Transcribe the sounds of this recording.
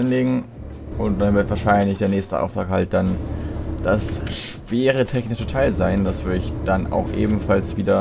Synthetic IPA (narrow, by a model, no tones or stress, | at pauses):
nleːɡŋ̩ | ʔʊnt̚d̥anvɪɐtvaːɐʃaɪnlɪçd̥eːɐnɛːçstə̰ʔa̰ʊftʁ̥aːkhalt̚d̥and̥asʃ | v̥eːʁ̞ətʰɛçnɪʃtʰotʰaːlzaɪndasv̥ʏɐdəɪçd̥ana̰ʊxʔḛːbm̩falsv̥iːdɐ